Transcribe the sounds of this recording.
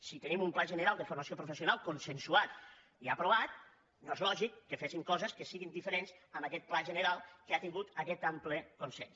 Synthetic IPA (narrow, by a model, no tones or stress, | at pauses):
sit̪ənimumplaʒənəɾalˠd̪əfurmasiopɾufəsionalˠkonsənsuat̪ | iapɾoβat̪̚ | noezlɔʒikːəfesimkɔzəskəsiɣind̪ifəɾenzəməkɛt̪̚plaʒənəɾalˠkəat̪iŋɡut̪əkɛt̪ampləkonsɛns